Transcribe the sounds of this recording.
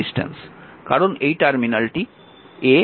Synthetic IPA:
isʈḛnskaɾonejʈaɾminalʈi | e

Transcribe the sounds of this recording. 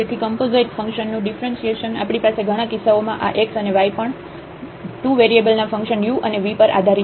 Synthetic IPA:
et̪ʰikəmpozejʈfə̃ŋkʃənːũɖifɾənʃieʃəna̰pɽ̃ipaseɡʱəɽ̃ãkisaomãʔa̰ʔeksəneʋajpəɳ | ʈuʋeɾiebəlnafə̃ŋkʃənjuʔəneʋipəɾʔa̰d̪ʱaɾi

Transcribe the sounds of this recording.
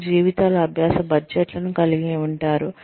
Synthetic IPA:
d͡ʒiːʋit̪aːlɐːbʱjaːsɐbɐɾd͡ʒɛʈlɐnukɐliɡeːuɳʈaːɾu

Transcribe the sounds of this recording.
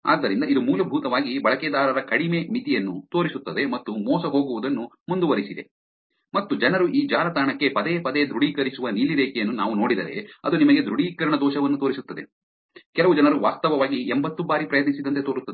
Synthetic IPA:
a̰ːd̪ːɐɾind̪ɐid̪umuːlɐbʱuːt̪ɐʋaːɡibɐɭɐkɛːd̪aːɾɐɾɐkɐɽimemit̪ijɐnːut̪o̞ːɾisut̪ːɐd̪e̞mɐt̪ːumɔːsɐɦo̞ːɡuʋud̪ɐnːu | mund̪uʋɐɾisid̪e | mɐt̪ːud͡ʒɐnɐɾuʔiːd͡ʒaːɾɐt̪aːɳɐkːe̞pɐd̪epɐd̪ejd̪ɾuɽiːkɐɾisuʋɐniːliɾeːkɛjɐnːunaːʋuno̞ːɽid̪ɐɾe̞̰ɐ̰d̪unimɐɡe̞d̪ɾuɽiːkɐɾɐɳɐd̪ɔːʃɐʋɐnːut̪o̞ːɾisut̪ːɐd̪e | kɛlɐʋud͡ʒɐnɐɾuʋaːst̪ɐʋɐʋaːɡiembɐt̪ːubaːɾipɾɐjɐt̪nisid̪ɐnt̪et̪o̞ːɾut̪ːɐd̪e

